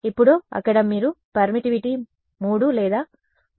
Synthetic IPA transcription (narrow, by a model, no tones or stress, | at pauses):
ipːuɽoːɐ̰kːɐɽɐmiːɾupɐɾmiʈiʋiʈi | muːɽulɛːd̪aː